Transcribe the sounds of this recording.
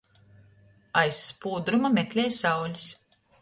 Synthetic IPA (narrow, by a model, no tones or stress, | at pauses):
ajsːpuːd̪ɾumameklʲeːjsawlʲis